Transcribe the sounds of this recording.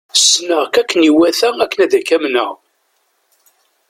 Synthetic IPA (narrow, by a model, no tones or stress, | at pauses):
snəʁkækːəniwæθæækːənæðækæmnə̰ʁ